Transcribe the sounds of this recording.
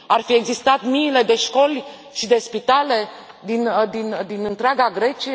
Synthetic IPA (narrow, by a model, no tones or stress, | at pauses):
arfie̞ɡzist̪at̪miːle̞d̪e̞ʃko̞lʲ | ʃid̪e̞spit̪ale̞ | d̪ind̪ind̪inɨnt̪ɾeaɡaɡɾe̞t͡ʃie